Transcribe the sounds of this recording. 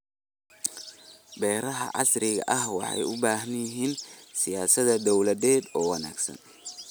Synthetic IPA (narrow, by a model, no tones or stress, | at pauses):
bɛːɾɐɦɐ̰ʕɑ̰srɪɣɐ̰ʔɐhwɑ̰ħɑ̰jʊbaːɦnjɪɦiːnsɪjaːsɐðɐd̪ɔwlɐðɛːd̪ɔːwɑna̰ːɡsɐ̰n